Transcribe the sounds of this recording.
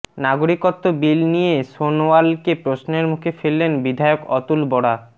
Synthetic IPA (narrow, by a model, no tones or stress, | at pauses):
naɡoɾikot̪ːobilnijeʃonowalkepɾosnoeɾmukʰefelːenbid̪ʱaeokɔt̪ulbɔɽa